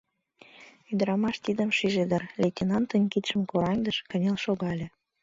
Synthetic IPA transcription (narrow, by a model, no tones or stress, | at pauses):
yd̪əɾɑmɑʃt̪id̪əmʃiʒed̪ərlʲetʲenɑnt̪ənʲkit̪ʃə̆mkoɾɑŋd̪əʃkə̆nʲɑlʃoɣɑlʲĕ